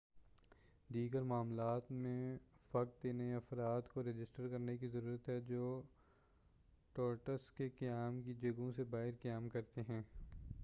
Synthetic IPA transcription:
d̪iːɡəɾmaːmlaːt̪mẽfɐkt̪enɐeɐfɾaːt̪koɾed͡ʒɪsʈəɾkɐɾnek̬izɐɾuːɾət̪ɦɛd͡ʒoː | ʈɔːɾʈəskekɐjaːmkid͡ʒɐɡõsebaːɦɪɾkɐjaːmkɐɾt̪eɦɛ̃ː

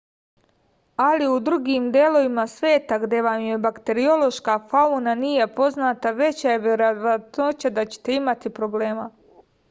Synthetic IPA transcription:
aliud̪ɾuɡiːmd̪je̞lo̞ʋimasʋe̞ːt̪aɡd̪e̞ʋamjebakt̪e̞ɾio̞lo̞ʃkafaunaniːje̞po̞znaːt̪aʋe̞t͡ɕajeʋeɾoʋaat̪no̞t͡ɕad̪at͡ɕe̥t̪e̞imat̪ipɾo̞ble̞ːma

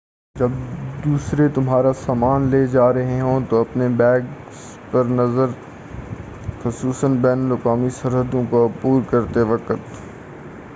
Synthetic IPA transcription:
d͡ʒɐb̚d̪uːsɾet̪ʊmɦaːɾasaːmaːnleːd͡ʒaːɾɐɦeɦõt̪oɐpnebɛːɡ | s | pɐɾnɐzəɾ | xʊsuːsənbɛːnəlʊkaːmisɐɾɦəd̪õkopuːɾkɐɾt̪eʋɐkət̪

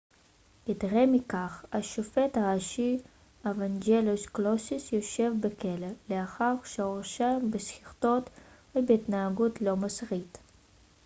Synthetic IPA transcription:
jitʁemikaχaʃofetaʁaʃi | avand͡ʒelusklosisjoʃe̞vbekeleleaχaʁʃeoʁʃembesχiχt̪o̞t̪vebeit̪naaɡutlo̞masʁit

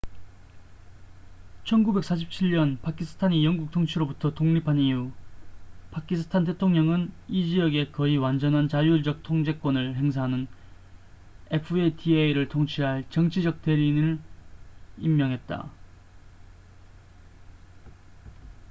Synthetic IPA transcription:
t͡ɕʰʌnɡube̞k̚s͈ʰaɕ̬ʰip̚t͡ɕʰiɭɲʌnpakʰisʰɯ̥tʰaɲijʌŋɡuk̚tʰoŋt͡ɕʰiɾobutʰʌtoŋɲipʰaniu | pakʰisʰɯ̥tʰant̬e̞tʰoŋɲʌŋɯnid͡ʑiʌɡe̞kʌiwand͡ʑʌnɦant͡ɕajuɭd͡ʑʌk̚tʰoŋd͡ʑe̞k͈wonɯɭhe̞ŋs̬ʰaɦanɯn | epʰɯetʰieiɾɯɭtʰoŋt͡ɕʰiɦaɭt͡ɕʌŋt͡ɕʰid͡ʑʌk̚t͈e̞ɾinɯɭ | imːjʌŋɦe̞t̚t͈a̰

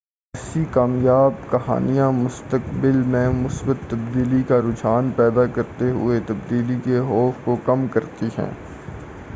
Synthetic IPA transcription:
ɛsikaːmjaːbkɐɦa̰ːnijãmʊst̪əkbɪlmẽmʊsbət̪ːɐbd̪iːlikaɾʊd͡ʒaːnpɛːd̪akɐɾt̪eɦʊ̰et̪ɐbd̪iːlikeɦɔːfkokɐmkɐɾt̪iɦɛ̰̃ː

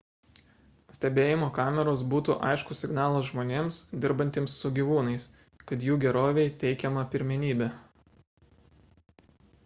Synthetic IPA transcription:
sʲt̪ʲɛbʲeːjɪmoːkɑːmʲɛɾoːsbuːt̪ṵʔɐ̰ɪʃkʊsʲɪɡnɑːlˠɐʒmoːnʲeːmsd̪ʲɪɾbɐnʲt̪ʲeːmsːʊɡʲiʋuːnɐɪs | kɐt̪juːɡʲɛɾoːʋʲɛɪt̪ʲɛɪkʲɛmɐpʲɪɾʲmʲɛnʲiːbʲɛ

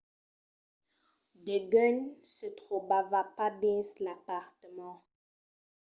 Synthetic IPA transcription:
deɡœɲsət̪ʁobavapadɛ̃slapaʁt̪əmɑ̃

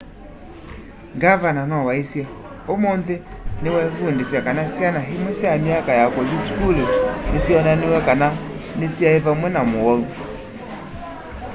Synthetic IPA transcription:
ŋɡavananwawaisja | omonðenewɛfundesjakanasjanaɦimwɛsjamiakajakɔziskulonesjɔnanewɛkana | nesjaevamwɛnamowɔu

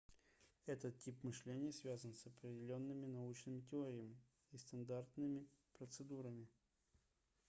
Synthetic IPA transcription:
ɛt̪ət̪ʲipmɨʂlʲenʲɪjəsvʲazənsəpɾʲɪdʲɪlʲo̞nːɨmʲɪnɐut͡ɕnɨmʲɪtʲɪoɾʲɪjəmʲɪː | st̪ɐnd̪art̪nɨmʲɪpɾət̪sɨd̪uɾəmʲɪ

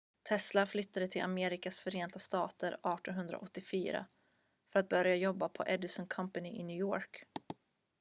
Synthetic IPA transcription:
t̪ʰɛslaflʏt̪ːad̪ət̪ʰɪlʔa̰meːɾɪkasfœɾeːnt̪ast̪ɑːt̪əɾɑːʈɔnɦɵnd̪ɾa̰ʔɔt̪ːɪfyːɾa̰ | fœɾat̪̚bœɾjajɔbːapʰɔ̰ʔɛd̪ɪsɔnkʰampanɪʔɪnʉ̟ːjoːɾk

